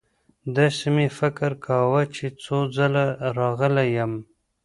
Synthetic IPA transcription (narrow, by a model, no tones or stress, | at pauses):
d̪əsəmefɪkɾkʰawət͡ʃet͡sod͡zalaɾɑɣəlajəm